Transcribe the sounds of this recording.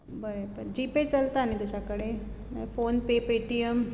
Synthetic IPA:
bəɾepəɾd͡ʑipet͡səlt̪aːnit̪ud͡ʑakəɽe | mfonpepeʈijəm

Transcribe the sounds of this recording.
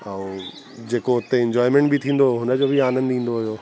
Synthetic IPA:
ãːũ | d͡ʑeːkoɦʊt̪eɪ̃ɲd͡ʑɔːɪmẽːɳʈbʱɪt̪ʰĩːn̆d̪oɦʊnə̆d͡ʑoːbʱiaːnə̃nd̪ĩːn̆d̪oɦʊjoː

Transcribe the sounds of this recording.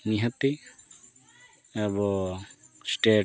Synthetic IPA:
niɦat̪i | abɔ | sʈe

